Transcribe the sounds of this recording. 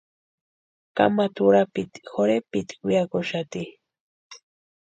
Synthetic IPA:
ka̰mat̪ʊɾapɪt̪xoɾepɪt̪kɪjakoʃat̪i

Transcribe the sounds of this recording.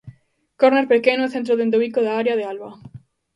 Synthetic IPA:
koɾneɾpekenoeθẽnt̪ɾoðend̪oβikoðaaɾjaðealβa

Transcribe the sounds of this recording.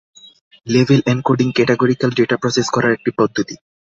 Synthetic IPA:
lebʱelɛnkoɾɖiŋkɛʈeɡoɾikalɖeʈapɾɔseskɔɾaɾek̚ʈipɔd̪ʱːot̪i

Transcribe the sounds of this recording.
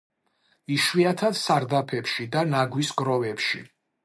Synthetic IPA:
iʃwiat̪ʰad̪̥saɾd̪apʰɛpʃid̪anaɡwiskʼɾɔvɛpʃḭ

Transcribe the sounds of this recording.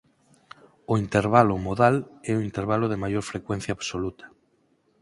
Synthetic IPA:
ʊint̪eɾβalʊmoðalɛʊint̪eɾβalʊðɪmajoɾfɾekwɛn̟θjaːβsolut̪ɐ̥

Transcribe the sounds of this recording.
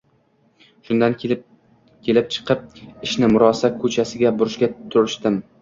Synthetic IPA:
ʃʊnd̪an | kʲʰe̞lɪp̚t͡ʃʰɨ̥qʰɨp̚ɪʃnɪmʊɾɒsakʰɵt͡ʃʰasɪɡʲabʊɾɪʃɡʲat̪ʰʊɾɪʃt̪ɪm

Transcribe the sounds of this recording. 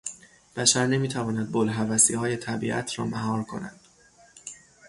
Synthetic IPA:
b̥æʃæɾne̞miːt̪ʰævɒːnæd̪̚bolɦævæsiːhɒːje̞t̪ʰæbḭːʔæ̰t̪ʰrɒ̰ːmæɦɒːɾkʰo̞næ̰nd̪̥

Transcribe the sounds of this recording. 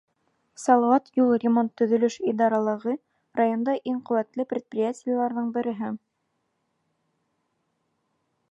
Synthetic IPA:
sɑlˠɑwɑt̪julˠrʲɪmo̞nt̪ːɵ̆ðɵ̆lɵʃid̪ɑɾɑlˠɤ̆ʁɤ | rajo̞nd̪ɑʔiŋqɵ̆wæt̪lɘpɾʲɪt̪̚prʲɪjatʲɪjalˠɑɾðɤɴbɘ̆ɾɘ̆ɦɘ

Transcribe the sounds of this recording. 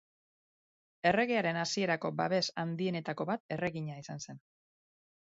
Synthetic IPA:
e̞re̞ɣe̞aɾe̞nasie̞ɾako̞baβe̞sand̪ie̞ne̞t̪ako̞βat̪̚e̞re̞ɣiɲaisanse̞n

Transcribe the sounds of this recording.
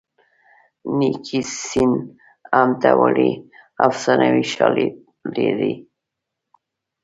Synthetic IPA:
nikʰisin | amt̪awaɽiawsanawiʃɑli | leɾi

